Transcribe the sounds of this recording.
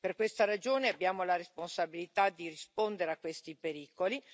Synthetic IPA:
perkwest̪aɾad͡ʒoːneabjaːmolaɾesponsabilit̪ad̪irispond̪eɾeakːwest̪ipeɾiːkoli

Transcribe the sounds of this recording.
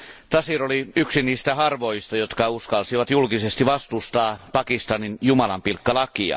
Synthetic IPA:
t̪ɑsiroliyksiniːst̪æhɑrʋojst̪ɑjot̪kɑuskɑlsiʋɑt̪julkisest̪iʋɑst̪ust̪ɑːpɑkist̪ɑninjumɑlɑ̰mpilkːɑlɑkiɑ̰

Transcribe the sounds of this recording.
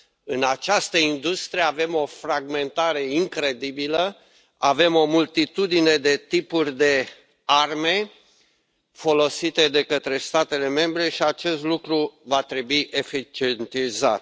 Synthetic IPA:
ɨnat͡ʃast̪əind̪ust̪ɾieave̞mo̞fɾaɡme̞nt̪aɾe̞iŋkɾe̞d̪ibilə | ave̞mo̞mult̪it̪ud̪ine̞d̪e̞t̪ipurʲd̪e̞ | arme̞ | fo̞lo̞sit̪e̞d̪e̞kət̪ɾe̞st̪at̪e̞le̞me̞mbɾe̞ʃiat͡ʃe̞st̪lukɾuvat̪ɾe̞buiʔefit͡ʃient̪iza̰t̪

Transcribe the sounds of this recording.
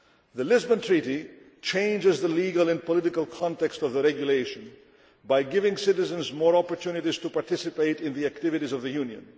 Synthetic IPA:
ðɨlɪzbə̃ntʰɹ̥iɾi | t͡ʃʰẽɪ̃nd͡ʒɪzðəliɡəlˠɨ̃npəlɪɾɪkəlˠkʰɑ̃ntɛkstʌvðəɾɛɡjʊleɪʃə̃n | baɪɡɪvɪ̃ŋsɪɾɨzə̃nzmɔːɹɑpəɹtʰjũnɨɾiz̥təpɑɹtɪsɨpeɪɾɪ̃nðiæk̚tɪvɨɾizʌvðɨjũnjɨ̰̃n

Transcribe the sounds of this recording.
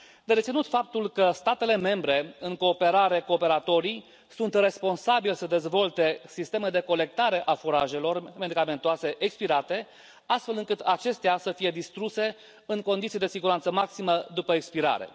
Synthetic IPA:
d̪eɾet̪sinut̪fap̚t̪ulkəst̪at̪e̞le̞me̞mbɾe̞ɨŋko̞ːpe̞ɾaɾekuope̞ɾat̪o̞ɾij | sunt̪re̞spo̞nsabilsəd̪e̞zvo̞lt̪e̞sist̪e̞med̪e̞ko̞le̞k̚t̪aɾe̞ʔafuɾa̰ʒe̞lo̞rme̞d̪ikame̞nt̪oase̞ʔekspiɾat̪e̞ | ast̪fe̞lɨŋkɨt̪ʰat͡ʃe̞st̪easəfije̞d̪ist̪ɾuse̞ | ɨŋko̞nd̪it̪sid̪esiɡuɾant̪səmaksiməd̪upəekspiɾa̰ɾe̞̰

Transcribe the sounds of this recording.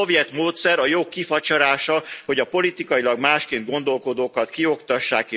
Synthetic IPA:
ovjɛt̪moːt̪sɛɾɒjoːkːifɒt͡ʃɒɾaːʃɒho̞ɟɒpo̞lit̪ikɒjilɒɡmaːʃkeːnd̪ɡo̞n̪d̪o̞lko̞d̪oːkɒt̪kio̞kt̪ɒʃːaːkeː

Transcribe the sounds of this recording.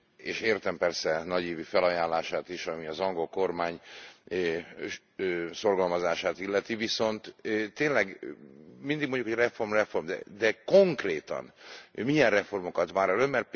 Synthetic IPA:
eːʃeːrt̪ɛmpɛrsɛnɒɟiːvifɛlɒjaːnlaːʃaːt̪iʃɒmiɒzɒŋɡo̞lko̞rmaːɲ | so̞rɡɒlmɒzaːʃaːt̪ilːɛt̪iviso̞nt̪t̪ːeːnlɛɡ | mind̪iɡmo̞ɲɟjukhojrɛfo̞rmrɛfo̞rmd̪ɛ̰d̪ɛko̞ŋkreːt̪ɒ̰nmijɛnrɛfo̞rmokɒt̪ʋaːɾɒlømmɛrt̪̚p

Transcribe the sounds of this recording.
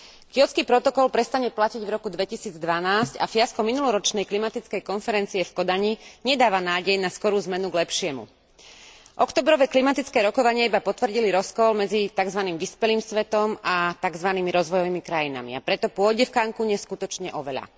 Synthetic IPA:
kɪɔt͡skiːpɾɔt̪ɔkɔlpɾɛst̪aɲɛplaciɟvɾɔkud̪ʋɛcisiːd͡zd̪ʋanaːsca̰fɪaskɔminulɔɾɔt͡ʃnɛjklimat̪it͡skɛjkɔnfɛɾɛnt͡siɛfkɔd̪aɲiɲɛd̪aːʋanaːɟɛjnaskɔɾuːzmɛnuɡlɛpʃɪɛmṵ | ʔɔkt̪ɔːbɾɔʋɛklimat̪it͡skɛːɾɔkɔʋaɲɪɛibapɔt̪ʋr̩ɟiliɾɔskɔlmɛd͡zit̪aɡzʋaniːmʋispɛliːmsʋɛt̪ɔmʔat̪aɡzʋaniːmiɾɔzʋɔjɔʋiːmikɾajina̰mḭapɾɛt̪ɔpʊɔɟɛfkaŋkuɲɛskut̪ɔt͡ʃɲɛʔɔʋɛʎa̰

